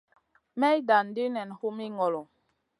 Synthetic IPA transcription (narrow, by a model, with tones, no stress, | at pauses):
mɛ˦i˦da˨n˨di˦nɛ˨n˨hu˦mi˦ŋɔ˨lɔ˨